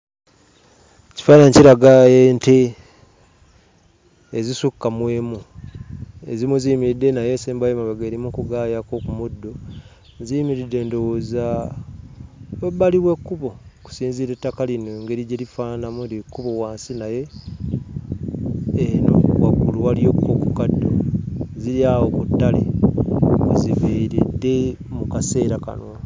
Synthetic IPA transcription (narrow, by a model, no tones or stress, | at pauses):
ci̥faːnaɲciɾaɡaeːnte̞ | zisukːamwe̞ːmu | ḛzimuzijmiɾidːe̞najeːseːmbajimaβeɡeːɾimukuɡajako̞kumudːo̞ | nziimiɾidːe̞ːndowoza | webaliβwe̞kːuβo̞ku̥siːnziɾetːakalineŋɡeɾiɟeɾifaːnamudikːuβo̞waːnsinaje̞ | no̰wa̰ɡuluwaljo̞kkokukadːo̰ziɾiawokutːalḛ | ziβeɾidːe̞ | mukase̞ːɾaka̰no